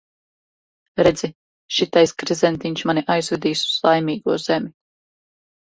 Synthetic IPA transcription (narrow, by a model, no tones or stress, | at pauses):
ɾɛd̪zi | ʃit̪ajskɾizɛnt̪iɲt͡ʃmaniʔajzvɛd̪iːsu̥z̥lˠajmiːɡuɔz̥ɛmʲi